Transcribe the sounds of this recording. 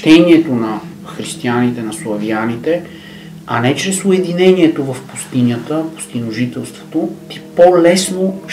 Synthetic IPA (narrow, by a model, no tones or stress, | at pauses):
t̪ɛniɛt̪onɐ | xɾist̪ianit̪ɛnɐslˠɐvianit̪ɛ | ɐnɛt͡ʃɾɛsʊɛd̪inɛniɛt̪ovɐfpu̥st̪inʲət̪əpʊ̥st̪inoʒit̪ɛlˠst̪vo̥t̪ot̪i̥polɛsno